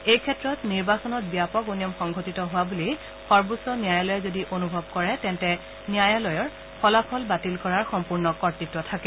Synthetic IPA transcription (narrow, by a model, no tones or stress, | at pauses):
ejkʰɛtɹɔtniɹbasɔnɔt̚bijapɔkonijɔmxɔŋɡʱotitɔɦʊwabuli | xɔɹbosɔniajalɔjɛzodiʔonubʱɔb̚kɔɹɛtɛntɛ | nijajalɔjɔɹ | pʰɔlapʰɔlbatilkɔɹaɹxɔmpuɹnɔkɔɹtɹitːɔtʰakɛ